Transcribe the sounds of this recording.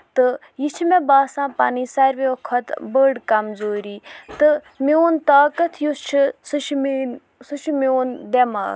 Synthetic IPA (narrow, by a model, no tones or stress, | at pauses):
t̪ɨ | jit͡ʃʰimẽbaːsãːpaniːsɐɾʋeokʰːɐt̪bəːɖkɐmzoːɾiːt̪ɨ | mioːnt̪aːkɐt̪ʰjust͡ʃʰisɨʃʰmi | sɨʃʰumioːnd̪ema̰ːɡ